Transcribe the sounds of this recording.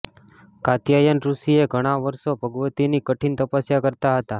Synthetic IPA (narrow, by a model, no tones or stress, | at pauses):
kat̪jajənɾusieɡʱəɽ̃aʋəɾʃobʱəɡʋət̪inikəʈʰint̪əpasjakəɾt̪aɦət̪a